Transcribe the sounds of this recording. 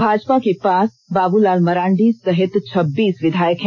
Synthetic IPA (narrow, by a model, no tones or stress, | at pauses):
bʱaːd͡ʒpakepaːs | baːbulaːlmɐɾãːɳɖisɐɦɪt̪t͡ʃʰɐbːiːsʋɪd̪ʱaːjəkɦɛ̃